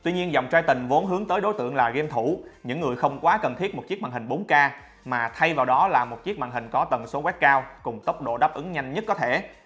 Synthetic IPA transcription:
t̪wi˧ɲi˧ənzɔ˨˩wŋ͡mt͡ɕaː˧jt̪ï˨˩ŋ̟vo˨˦nɦɨ˨˦əŋt̪əː˨˦jɗo˨˦jt̪ɨ̰˧˨əŋlaː˨˩ɣe˧mt̪ʰu˧˩ɲɨ̰˧˥ŋːɨ˨˩əjxə˧wŋ͡mkwaː˨˦kə˨˩nt̪ʰi˦˥ət̚mo˨˩t̚t͡ɕi˦˥ək̚ma̰˧˨˩hï˨˩ŋ̟ɓo˨˦nkaː˧ | maː˨˩t̪ʰa˧jvaː˨˩wɗɔ˨˦laː˨˩mo˨˩t̚t͡ɕi˦˥ək̚ma̰˧˨ŋɦï˨˩ŋ̟kɔ˨˦t̪ə˨˩nso˨˦kwɛ˦˥k̚kaː˧wkʊ˨˩ŋ͡mt̪ə˦˥wk͡p̚ɗo̰˧˨ɗaː˦˥p̚ʔɨ˨˦ŋɲa˧jŋ̟ɲə˦˥t̚kːɔ˨˦t̪ʰe˧˩

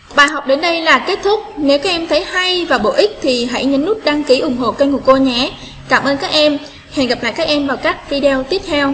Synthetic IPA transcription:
ɓaː˨˩jɦɔ˨˩wk͡p̚ɗe˨˦nɗə˧jlaː˨˩ke˦˥t̚t̪ʰʊ˦˥k͡p̚ne˨˦wkaː˦˥k̚ʔɛ˧mt̪ʰə˨˦jha˧jvaː˨˩ɓo̰˧˨ʔï˦˥k̟̚t̪ʰi˨˩ɦa̰˧˥jɲə˨˦nzu˦˥t̚ɗaː˧ŋki˨˦ʔʊ˨˧˩ŋ͡mɦo̰˧˨kə˧jŋu˧˩ko˧ɲɛ˨˦ | kaː˧˩mʔəː˧nkaː˦˥k̚ʔɛ˧m | he˨˩nɣə˨˩p̚la̰ː˧˨jkaː˦˥k̚ʔɛ˧mvaː˨˩wkaː˦˥k̚vi˧ɗe˧t̪i˦˥əp̚t̪ʰɛ˧w

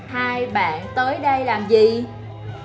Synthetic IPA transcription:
haː˧jɓa̰ː˧˨nt̪əː˨˦jɗə˧jlaː˨˩mzi˨˩

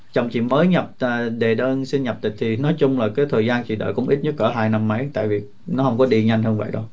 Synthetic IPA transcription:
t͡ɕə˨˩wŋ͡mt͡ɕḭ˧˨məː˨˦jɲə˨˩p̚əː˨˩ɗe˨˩ɗəː˧nsi˧nɲə˨˩p̚t̪ï̟˨˩t̪ʰi˨˩nɔ˨˦jt͡ɕʊ˧ŋ͡mlaː˨˩kaː˨˦jt̪ʰəː˨˩jzaː˧nt͡ɕḭ˧˨ɗə̰ː˧˨jkʊ̰˧˥ŋ͡mʔi˦˥t̚ɲə˦˥kəː˧˩ɦaː˧jna˧mːə˨˦jt̪a̰ː˧˨jvi˨˩ | nɔ˨˦hə˧wŋ͡mkɔ˨˦ɗi˧əɲa˧jŋ̟həː˧nvə̰˧˨jɗo˨˦

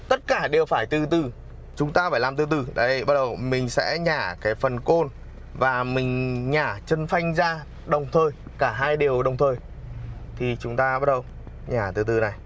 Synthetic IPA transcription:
t̪ə˦˥t̚kaː˧˩ɗe˨˩wfaː˧˩jt̪ɨ˨˩t̪ɨ˨˩ | t͡ɕʊ˨˦ŋ͡mt̪aː˧faː˧˩jlaː˨˩mt̪ɨ˧t̪ɨ˨˧˩ɗə˨˦jɓa˦˥ɗə˨˩wmï˨˩ŋ̟sɛ̰˧˥ɲaː˧˩kaː˨˦jfə˨˩nko˧n | vaː˨˩mï˨˩ŋ̟ɲaː˧˩t͡ɕə˧nfa˧jŋ̟zaː˧ | ɗə˨˩wŋ͡mt̪ʰəː˨˩jkaː˧˩ɦaː˧jɗe˨˩əwɗə˨˩wŋ͡mt̪ʰəː˨˩j | t̪ʰi˨˩t͡ɕʊ˨˦ŋ͡mt̪aː˧ɓa˦˥ɗə˨˩w | ɲaː˨˩t̪ɨ˨˩t̪ɨ˨˩na˨˩j

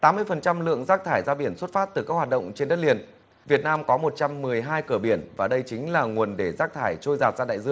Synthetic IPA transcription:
t̪aː˨˦mːɨ˧əjfə˨˩nt͡ɕa˧mlɨ̰˧˨əŋzaː˦˥k̚t̪ʰaː˧˩jzaː˧ɓi˧˩ənswə˦˥t̚faː˦˥t̚t̪ɨ˨˩kaː˦˥k̚wa˨˩t̚ɗə̰˧˨wŋ͡mt͡ɕe˧nɗə˦˥t̚li˧˩ən | vi˨˩ət̚naː˧mkɔ˨˦mo˨˩t̚t͡ɕa˧mːɨ˨˩əjɦaː˧jkɨ˧˩əɓi˧˩ənvaː˨˩ɗə˧jt͡ɕï˨˦ŋ̟laː˨˩ŋu˨˩ənɗe˧˩zaː˦˥k̚t̪ʰaː˧˩jt͡ɕo˧jzaː˨˩t̚zaː˧ɗa̰ː˧˨jzɨ̰˧˦˥ə

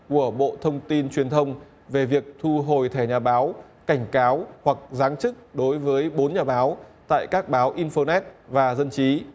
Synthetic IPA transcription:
ku˧˩əɓo̰˧˨t̪ʰə˧wŋ͡mt̪i˧nt͡ɕwi˨˩ənt̪ʰə˧wŋ͡m | ve˨˩vi˨˩ək̚t̪ʰu˧ɦo˨˩jt̪ʰɛ˧˩ɲaː˨˩ɓaː˨˦w | ka˧˩jŋ̟kaː˨˦whwa˨˩k̚zaː˨˦ŋt͡ɕɨ˦˥k̚ɗo˨˦jvəː˨˦jɓo˨˦nɲaː˨˩ɓaː˨˦wt̪a̰ː˧˨jkaː˦˥k̚ɓaː˨˦wʔi˧nfo˧nɛ˦˥t̚vaː˨˩zə˧nt͡ɕi˨˦

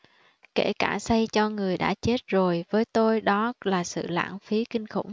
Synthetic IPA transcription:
ke˧˩kaː˧˩sa˧jt͡ɕɔ˧ŋɨ˨˩əjɗa̰ː˧˥t͡ɕe˦˥t̚zo˨˩jvəː˨˦jt̪o˧jɗɔ˨˦laː˨˩sɨ̰˧˨la̰ː˧˥˩ŋfi˨˦kï˧ŋ̟xʊ̰˧˩wŋ͡m

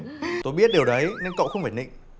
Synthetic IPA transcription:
t̪o˧jɓi˦˥ət̚ɗe˨˩wɗə˨˦jne˧nkə̰˧˨wxə˧wŋ͡mfaː˧˩jɗḭ˧˨ŋ̟

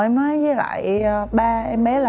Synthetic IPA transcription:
ʔɛ˧mnɔː˨˦jzə˨˦la̰ː˧˨jɓaː˧ʔɛ˧mɓɛ˨˦la˨

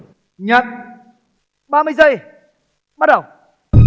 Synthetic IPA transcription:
ɲə˨˩t̚ | ɓaː˧mɨ˧jzə˧˩j | ɓa˦˥t̚ɗə˨˩w

